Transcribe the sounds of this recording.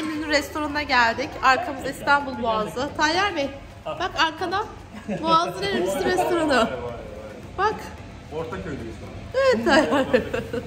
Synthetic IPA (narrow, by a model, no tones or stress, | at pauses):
emynyɾɛst̪ʰo̞ɾannaɟælʲd̪ɪcaɾkʰamɯzaist̪ʰanbulˠboazlˠɯt̪ʰajæɾme | bakaɾkʰana | boazˠɯneɾmisimɾɛst̪ʰo̞ɾanʊ | b̥ak | oɾt̪ʰakød̪isaevɛt̪̚t̪ʰajaɾ